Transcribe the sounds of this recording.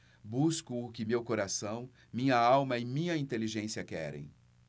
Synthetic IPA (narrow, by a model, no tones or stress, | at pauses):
buskʊʊkɪmewkoɾasɐ̃w̃ | mĩɲɐawmɐɪmĩɲɐĩnt̪eliʒẽsiɐkɛ̰ɾḛ̃j̃